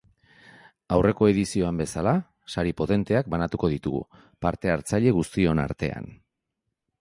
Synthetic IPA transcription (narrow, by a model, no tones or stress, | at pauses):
awre̞ko̞e̞ðisio̞ambe̞sala | saɾipo̞t̪e̞nt̪e̞ak̚banat̪uko̞ðit̪uɣṵ | paɾt̪e̞aɾt͡saʎe̞ɣ̞ust̪io̞na̰ɾt̪e̞̰a̰n